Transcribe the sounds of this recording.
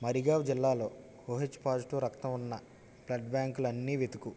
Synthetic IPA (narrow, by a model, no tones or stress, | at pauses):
mɐɾiɡaːʋd͡ʒilːaːlo̞ː | hoːɦet͡ʃːpaːd͡ʒʈuːɾɐkt̪ɐmunːɐ | plɐɖbaːŋkulɐnːiːʋet̪uku